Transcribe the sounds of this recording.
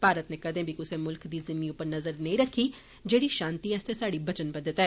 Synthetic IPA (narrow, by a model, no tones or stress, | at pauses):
paːɾət̪neːkəd̪ẽːbʱikʊsẽːmʊlkd̪iːzɪmiːʊpəɾnəzəɾnəĩːɾəkʰːiː | d͡ʒeːɽiːʃãːnt̪iːɛːst̪eːsaːɽiːbət͡ʃənbəd̪ɪt̪ɛː